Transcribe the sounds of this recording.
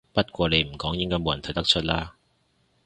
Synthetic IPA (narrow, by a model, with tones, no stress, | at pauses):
pɐ˥t̚kʷɔː˧le˨˧jm̩˨˩kɔː˨˥ŋjɪ˥ŋkɔː˥mo˨˧jɐ˨˩nʰɐ˨˩t̪ɐ˥k̚t͡ʃʰɵ˥t̚laː˥